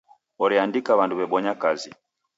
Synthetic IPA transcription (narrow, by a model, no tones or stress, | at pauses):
ɔɾiandikaβanduβɛɓɔɲakazi